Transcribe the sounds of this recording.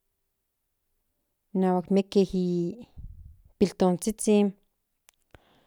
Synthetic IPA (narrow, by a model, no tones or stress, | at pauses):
naːwakmekehi | pilt̪ont͡sit͡sin